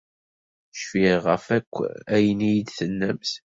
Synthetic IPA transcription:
ʃfiʁəfækʷːæjənijid̪θənːəmθ

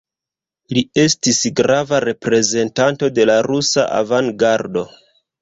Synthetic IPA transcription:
lie̞stisɡɾavaɾe̞pɾe̞ze̞ntanto̞de̞laɾusa̰ʔa̰vaŋɡaɾdo̞

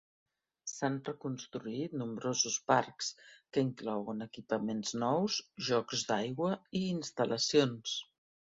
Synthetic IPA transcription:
sanrəkunst̪ɾuit̪numbɾozuspaɾkskəiŋklɔwənəkipəmenznɔwzʒɔkzd̪ajɣwəiːnst̪əlʔəsions

